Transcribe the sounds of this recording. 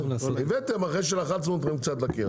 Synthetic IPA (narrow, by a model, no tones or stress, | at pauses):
ivɛt̪emaχejʃ̬elaχatsot̪ʁimkt͡sat̪̬laki